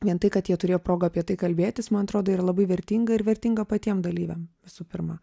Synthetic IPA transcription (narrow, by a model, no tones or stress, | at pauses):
ʋʲiɛnt̪ɐɪkɐt̪jiɛt̪ʊɾʲeːjopɾoːɡɐːpʲiɛt̪ɐɪkɐlʲbʲeːt̪ʲɪsmɐnɐt̪ɾoːd̪oːiːɾɐlˠɐbɐɪʋʲɛɾʲt̪ʲiːŋɡɐɪɾʋʲɛɾʲt̪ʲiŋɡɐpɐt̪ʲiɛmd̪ɐlʲiːʋʲɛ̰mʋʲɪsuːpʲɪɾmɐ